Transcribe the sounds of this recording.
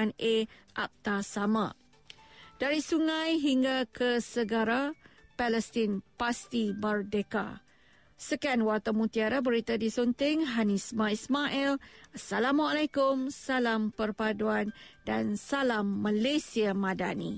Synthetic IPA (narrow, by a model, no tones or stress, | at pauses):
aneʔa̰p̚t̪asamã | d̥aɾisuŋãjɦiŋɡakʰəsəɡaɾapɛləst̪inpast̪imərdeka̰ | səkanwat̪amũt̪iaɾabəɾit̪adisɔnt̪ɪŋɦanismãismaʔɛlasːalamaalajkʊmsalampərpaduandansalamːalesiamãda̰nḭ